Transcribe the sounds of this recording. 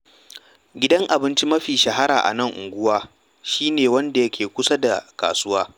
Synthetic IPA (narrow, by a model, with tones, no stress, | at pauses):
ɡʲɪ˦dɐ˦ŋʔa˨bɪ˦nt͡ʃi˦mɐ˦ɸiː˨ʃɐ˨ɦa˦ɾa̰ː˨ʔa̰˨nɐ˦˨ŋʔʊ̰˨ŋɡʷʊ˦waː˦ | ʃiː˦neː˨wɐ˦nda˨jɐ˦kʲʰeː˨kʷʊ˦sa˦da˨ka̰ː˨sʊ˦waː˦